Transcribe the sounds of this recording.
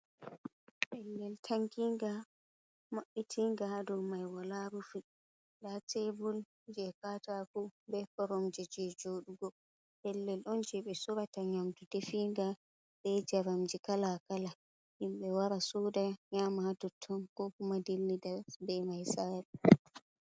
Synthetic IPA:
ʔɛlːɛltʰaŋkiŋɡa | maɓːitʰiŋɡadɔmajwalaɾufi | datebul | d͡ʒɛkatakubɛkɔɾɔmd͡ʒɛd͡ʒɛd͡ʒoːɗuɡɔ | ɓɛlːɛlʔɔnd͡ʒɛɓɛsuɾataɲamtudefiŋɡa | ɓɛd͡ʒaɾamd͡ʒikalakala | himɓɛwaɾasudaɲaːmahatɔtʰːɔnkɔkumadilːidabɛmajsaɾɛ

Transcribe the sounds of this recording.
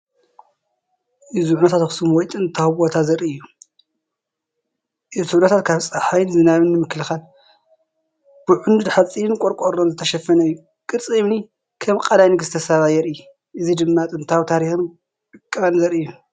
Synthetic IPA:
ʔɨzuʕunɐt̪ʰat̪xsɨmwɔjt̪ʼɨɨnt̪ʰawbo̞t̪ʰazɐɾiɨjːu | ʔɨt̪ʰuʕnɐt̪ʰat̪kʰaβt͡sʼɐħajnzɨnaβɨnːɨmɨklɨxal | b̥ɨʕʊnd̪ud̪ħat͡sʼiɨnkʷʼoɾkʼoɾomzɨt̪ʰɐʃɐfːɐnɐjːu | kʼɨɾt͡sʼiβni | kʰɐmkʼɐlajnɨɡɨst̪ʰɐsaβajɛɾɨj | ʔɨzid̪ɨmːat̪ʼɨnt̪ʰawt̪ʰaɾixɨm | ɨkʼːɨβanzɐɾɨjːu

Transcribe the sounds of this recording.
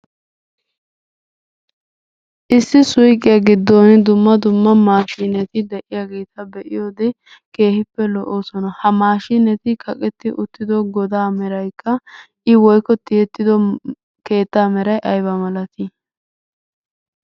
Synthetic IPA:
ʔɪsːɪsʊjkʼɪjɐɡɪd̪ːoːnd̪ʊmːɐd̪ʊmːɐmaːʃiːnɛt̪ɪd̪ɛʔɪjaːɡeːt̪ɐbɛʔɪjoːd̪ɛ | ke̞ːhɪpːɛlɔʔoːsɔnɐhɐmaːʃiːnɛt̪ɪkʰɐkʼɛt̪ːɪʔʊt̪ːɪd̪ɔɡɔd̪aːmɛɾɐjkʰːɐ | ʔɪwɔjkɔt̪ːɪjɛt̪ːɪd̪ɔ | ke̞ːt̪ːaːmɛɾɐjʔɐjbɐmɐlɐt̪ɪ

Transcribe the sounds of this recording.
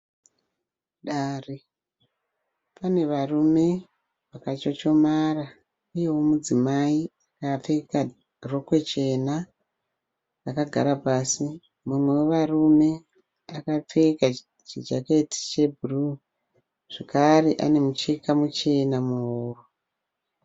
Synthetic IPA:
ɗaːri | pane̞ʋarume̞ | ʋakat͡ʃot͡ʃo̞mara | uje̞womud͡zimaiakap͡fe̞ka | ro̞kwe̞t͡ʃe̞na | ʋakaɡʱa̰ɾapaːsi | mumwe̞weʋarume̞ | akap͡fe̞ka | t͡ʃid͡ʒaketi̥t͡ʃe̞bʱuru | ʐ̥ekareʔa̰ne̞mut͡ʃekamut͡ʃe̞namuuːro

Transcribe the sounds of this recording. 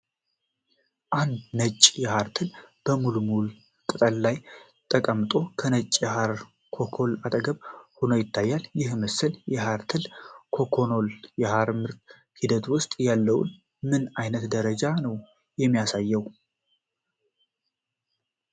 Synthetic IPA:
ʔand̪nət͡ʃʼjɛhaɾt̪ʰɨlb̥əmulumul | kʼɨt̪ʼəllaj | t̪ʼəkʼəmt̪ʼo̞kʰənət͡ʃʼːjɛhaɾ | kʰo̞kʰo̞lat̪ʼəɡəβhonojɪt̪ʰːajːaljɪhməsːɨljɛɦaɾt̪ʰɨlkʰo̞kʰo̞no̞ljɛhaɾmɨɾt̪ | hid̪ət̪wʊst̪ʼjalːəw̰n | mɨnajnət̪d̪əɾəd͡ʒanəw | jɛmːijasajːɛw

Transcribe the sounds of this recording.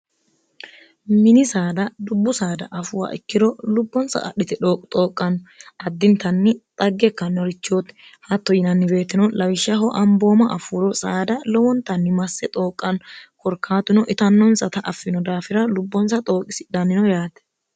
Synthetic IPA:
mɪnɪsaːd̪ɐd̪ʊbːʊsaːd̪ɐʔɐfʊwa̰ːʔɪ̰kːɪd̪ɔlʊbːɔnsɐ̰ʔʼɐ̰ɗɪt̪ɛᶑoːkʼt̪ʼo̞ːkʼːɐnʔɐd̪ːɪnt̪ːɐnːɪt̪ʼɐɡːɛkːɐnːɔɾɪt͡ʃːoːt̪ | hɐt̪ːɔjɪnɐnːɪbe̞ːt̪ːɪnɔlɐwɪʃːɐɦɔʔɐmbo̞ːmɐʔɐfʊːɾɔsaːd̪ɐlɔwɔnt̪ːɐnːɪmɐsːɛt̪ʼo̞ːkʼːɐnkɔɾkʰːaːt̪ʊnɔʔɪt̪ɐnːɔnsɐt̪ɐʔɐfːɪnɔd̪aːfɪɾɐlʊbːɔnsɐt̪ʼo̞ːkʼːɪsɪ̥d̪ɐnɪnɔjaːt̪ɛ̥

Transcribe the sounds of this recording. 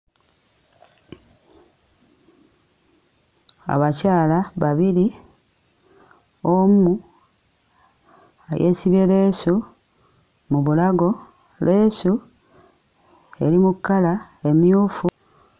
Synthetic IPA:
a̰βacaːlaβaβili | omu | a̰jḛːsiβele̞su | muβulaɡo̞ | le̞ːsu | e̞ɾimukːalae̞mjuːfu

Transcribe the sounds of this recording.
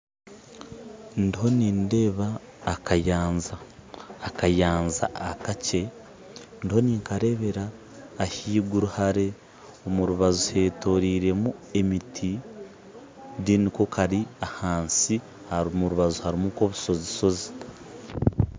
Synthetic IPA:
ndiɦo̞niːnde̞ːβaː | kajaːnzaː | kajaːnza̰ːkace̞ | ndiho̞niːŋkaɾe̞βe̞ɾaː | hiːɡuɾuhaɾe̞ | omuɾuβazuhe̞ːto̞ɾiːɾe̞mue̞mitʰi | diniko̞kʰaɾiahaːnsi | haɾumuɾuβazuhaɾimuko̞βuso̞ziso̞zi̥t

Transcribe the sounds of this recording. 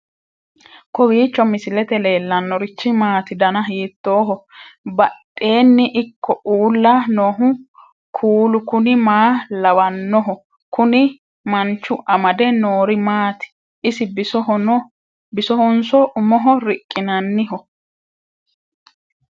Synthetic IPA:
kɔwiːt͡ʃːɔmɪsɪlɛt̪ɛle̞ːlːɐnːɔɾɪt͡ʃːɪmaːt̪ɪd̪ɐnɐɦiːt̪ːo̞ːɦɔbɐɗʼːe̞ːnːɪʔɪkʰːɔuːlːanoːɦʊ | kʰuːlʊkʊnɪmaːlɐwɐnːɔɦɔ | kʊnɪ | mɐnt͡ʃːʊʔɐmɐd̪ɛnoːɾɪmaːt̪ɪ̥ | ɪsɪbɪsɔɔn | bɪsɔhɔnsɔʔʊmɔɦɔɾɪkʼːɪnɐnːɪɦɔ

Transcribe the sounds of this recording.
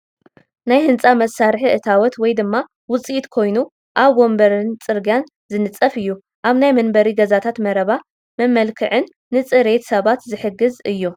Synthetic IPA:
najhɨnt͡sʼamɐsːaɾħiʔɨt̪ʰawɔt̪wɔjd̪ɨmːa | wʊt͡sʼijit̪kʰo̞jnu | ʔaβwombɐɾɨnt͡sʼɨɾɡjan | zɨnɨt͡sʼɐfɨjːu | ʔaβnajmɐnbɐɾiɡɐzat̪ʰat̪mɐɾɐβa | mɐmɐlkʰɨʕɨnːɨt͡sʼɨɾe̞t̪sɐβat̪zɨħɨɡɨzɨjːu

